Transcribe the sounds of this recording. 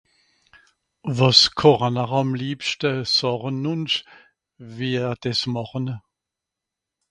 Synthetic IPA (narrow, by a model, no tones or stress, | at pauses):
vɑskʰɔʁənaʁɑmliːpʃtəsɔʁənːʊnʃ | viːd̥ɛsmɑχən